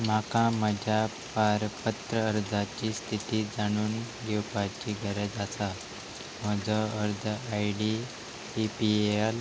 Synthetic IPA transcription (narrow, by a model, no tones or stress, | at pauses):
m̤akãməd͡ʑʱja | paɾpət̪ɾəəɾd͡zat͡ɕiːst̪ʰit̪iːd͡zaɽ̃uːn | ɡewpat͡ɕiːɡʱəɾed͡zasa | məd͡zɔəɾd̪ʱajɽi | ipial